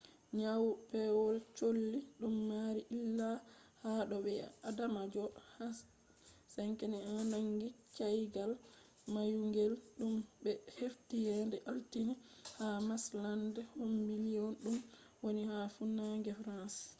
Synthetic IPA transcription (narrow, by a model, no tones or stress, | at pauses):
ɲawpɛwɔlt͡ʃolːiɗumːaɾiʔilːahaɗɔɓɛadamad͡ʒɔhas | sɛŋkɛniananaŋɡit͡ʃajɡal | majuŋɡɛlɗumbɛheftijɛndɛʔaltinihamaslandɛhomːilijɔnɗum | wonihafunaŋɡɛfɾans